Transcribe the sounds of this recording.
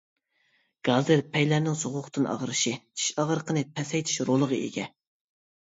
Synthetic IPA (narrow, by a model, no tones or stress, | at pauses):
ɡ̥ɑzɨɾpʰɛjlæɾnɪŋsoʁʊχʰt̪ʰɨnɑ̰ʁɾɨʃit̪ʰi̥ʃɑʁəɾəqʰənɨpʰɛsɛjt̪ʰi̥ʃɾolˠəʁəḛɡʲɛ